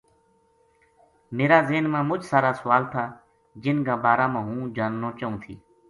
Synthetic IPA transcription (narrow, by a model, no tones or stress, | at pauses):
meːɾaːzeːnmãːmʊd͡ʒsaːɾaːsəʋaːlt̪ʰaː | d͡ʒɪnɡãːbaːɾaːmãːɦũːd͡ʒaːnːoːt͡ʃəũːt̪ʰḭː